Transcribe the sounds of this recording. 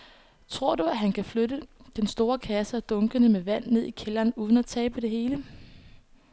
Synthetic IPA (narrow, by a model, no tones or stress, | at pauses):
t͡sʰʁo̝ɐ̰duæɦænkʰæfløɾəd̥ensd̥o̝ːɐkʰæsəd̥ɔ̽ŋɡ̥ənəmeʋæn̰ːe̝ð̞̰ˠikʰelɐːnuːð̞ˠən̩æt͡sʰɛ̰ːb̥əd̥e̝ɦhe̝ːlə